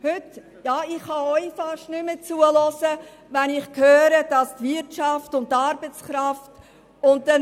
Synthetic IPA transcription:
høt | jɑːɪχhɑɔʏfɑʃtnʏmət͡suəlɔsə | vɛnɪχkhøːɾəd̥ɑstvɪtt͡ʃɑftʊnttːɑɾbət͡skɾɑft | ʊnt̚dɛ

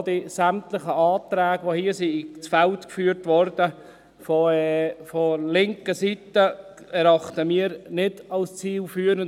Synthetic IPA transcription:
d̥isæmt̪ləχəɑːt̪ɾæːɡʋohiːəsit͡sfɛltkfyːəɾtʋɔɾd̥ə | fɔɛfɔlɪŋkəsitə | ɛɾɑχt̪əmiːəɾnɪd̥ɑlst͡siːlfyːɾən

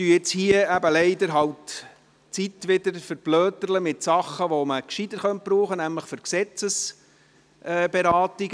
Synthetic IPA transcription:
tyɪt͡shiəæbəlɛɪd̪əɾɦɑwt | t͡sitʋɪdəɾfəɾb̥lœːt̪əɾləmɪt̪sɑχːəʋoməkʃid̥̪əχœnt̚bɾuːχənæmləχfʏɾksɛt͡səs | ʔɛːbeɾɑːtiɡ

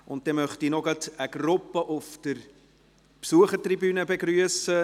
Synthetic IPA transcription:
ʊnt̚d̥ɛmœχtinɔɡɑtəɡ̥ɾʊpːəʔʊfd̥əɾ | psuəχəɾtribyːnəbeɡɾyəsə

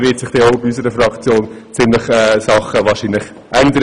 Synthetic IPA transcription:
ʋɪːtsɪχd̥ɛːoʊbiys̬əɾəfrɑkt͡sjoːnt͡sɪmlɪχɛsɑχəʋɑːɾʃiːnlɪχ | ʔænd̪əɾə

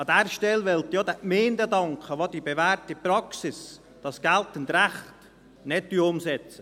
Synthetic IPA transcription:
ɑd̪æɾʃtɛlʋɛlt̪jod̥̪ɛkmeːndədɑŋkχəʋod̥ibevæːɾtipɾɑksɪs | d̥ɑsɡ̥æltəntɾæχt | nɛt̚ːyːʊmsɛt͡sə

